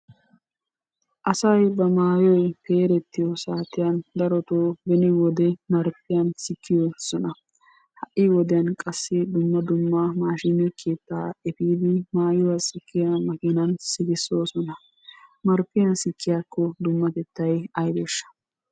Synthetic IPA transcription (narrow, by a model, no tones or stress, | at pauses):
ʔɐsɐjbɐmaːjɔjpe̞ːɾɛt̪ːɪjɔsaːt̪ːɪjɐnd̪ɐɾɔt̪oːbɛnɪwɔd̪ɛmɐɾpːɪjɐnsɪkʰːɪjɔsɔnɐ | hɐʔɪwɔd̪ɪjɐnkʼɐsːɪd̪ʊmːɐd̪ʊmːɐmaːʃɪnɛkʰeːt̪ːaːɛfiːd̪ɪmaːjʊwɐsɪkːɪjamɐɡɪnɐnsɪɡɪsoːsɔnɐ | mɐɾpːɪjɐnsɪkʰːɪjaːkːɔd̪ʊmːɐt̪ɛt̪ːɐjɐjd̪eːʃːɐ̥